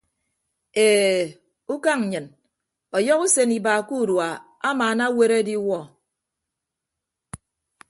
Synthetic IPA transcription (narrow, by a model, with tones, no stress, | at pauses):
eː˨ | u˦ka˦ŋ̩˨ɲɨ˨n | ɔ˨jɔ˦ku˦se˨ni˨baː˨ku˦˨ɾwa˨ | a˦maː˨na˦we˦ɾe˦di˦wɔ˦˨